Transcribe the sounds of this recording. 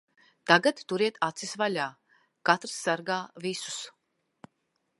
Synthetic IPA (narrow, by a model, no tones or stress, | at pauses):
t̪aɡat̪ːuɾiɛt̪ʰat̪sisvalʲaː | kat̪ɾsːaɾɡaːvisu̥s